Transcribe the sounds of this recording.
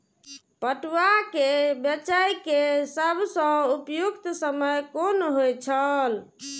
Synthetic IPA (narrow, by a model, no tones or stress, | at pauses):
pəʈwakebjət͡ʃajkesəbsə̃upjukt̪səməjkonɦojt͡ʃʰəl